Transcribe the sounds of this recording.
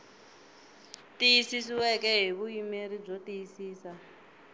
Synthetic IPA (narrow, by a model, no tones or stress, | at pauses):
tijisisiwɛkɛɦeβujimeɾib͡ʐotijisiːsa